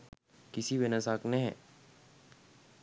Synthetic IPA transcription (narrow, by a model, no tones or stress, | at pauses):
kɪsiʋenəsaːkneɦɛ̰̃ː